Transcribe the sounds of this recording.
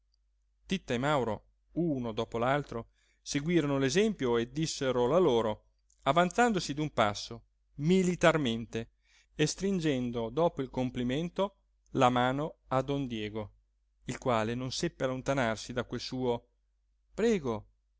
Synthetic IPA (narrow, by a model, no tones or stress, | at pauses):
t̪it̪ːaemawɾo̰ | unod̪ɔːpolalt̪ɾo | seɡwiːɾonolezɛmpjoed̪ːisːeɾolaloːɾo | avant̪sand̪osid̪umpa̰sːo | milit̪arment̪e | est̪ɾind͡ʒɛnd̪od̪ɔːpoilkompliment̪o | lamaːnoad̪ond̪jɛːɡo | ilkwaːlenonsepːealont̪anarsid̪akwelsuːo | pɾɛːɡo